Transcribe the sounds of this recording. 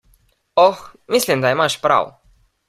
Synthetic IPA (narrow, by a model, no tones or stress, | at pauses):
ɔxmisʲlʲimd̪aimaʃpɾa̰w